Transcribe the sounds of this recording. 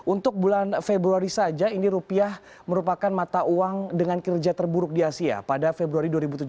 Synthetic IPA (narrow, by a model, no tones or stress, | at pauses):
unt̪ʊk̚bulanfebɾuaɾisad͡ʒainiɾupiah | məɾupakanmat̪aʔuaŋdəŋankərd͡ʒat̪ərbuɾʊk̚diasia̰padafebɾuaɾiduaɾibut̪̬ud͡ʒ